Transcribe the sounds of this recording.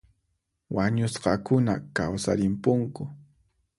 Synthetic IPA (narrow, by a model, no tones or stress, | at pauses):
waɲʊsqɑkʊnakawsaɾɪmpʊŋkʊ